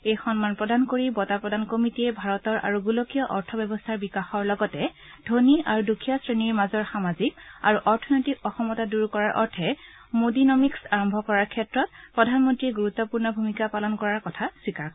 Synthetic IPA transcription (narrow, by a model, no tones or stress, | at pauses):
ejxɔnmanpɹɔdankoɹibɔtapɹɔdankomitiɛbʱaɹɔtɔɹʔa̰ɹuɡulokijɔʔɔɹtʰɔbɔbɔstʰaɹbikaxɔɹlɔɡɔtɛ | dʱoniaɹudukʰijɔsɹeniɹmazɔɹxamazikaɹuʔɔɹtʰɔnɔjtikɔxɔmɔtaduɹkɔɹaɹʔɔ̰ɹtʰɛ | modinɔmiksaɹɔmbʱɔkɔɹaɹkʰɛtɹɔt̚pɹɔdʱanmɔntɹiɛɡuɹut̪ːɔpuɹnɔbʱumikapalɔnkɔɹaɹkɔtʰaswikaɹ